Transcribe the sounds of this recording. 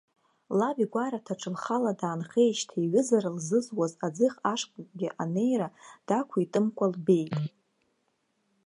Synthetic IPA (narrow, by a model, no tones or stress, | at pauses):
laviɡʷaɾatʰaʈ͡ʂʰʼɨlχaladaːnχejʃtʰiɥɪzaɾalzɨzwazad͡zɨχaʂkʼkʷʼɡʲɪʔane̞jrad̥akʷʰaitʼɨmkʷʼalbe̞jtʼ